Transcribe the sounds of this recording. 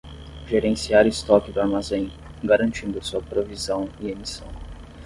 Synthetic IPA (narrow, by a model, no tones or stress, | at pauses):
ʒeɾẽsiaɾɪst̪ɔkɪd̪ʊaɾmazẽj̃ | ɡaɾɐ̃nt͡ʃĩnd̪ʊsuɐpɾovizɐ̃w̃iemisɐ̃w̃